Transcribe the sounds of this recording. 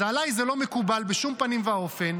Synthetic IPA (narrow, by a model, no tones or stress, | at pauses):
alajzelo̞me̞kubalbeʃumpanimvao̞fe̞n